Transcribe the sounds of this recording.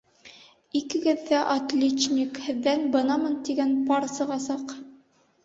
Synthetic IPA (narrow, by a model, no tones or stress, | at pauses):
ikɘ̆ɡɘ̆ðːæʔɐt̪lʲetnʲikhɘ̆ðːænbɤ̆nɑmɤnt̪iɡænpɑɾsɤ̆ʁɑsɑq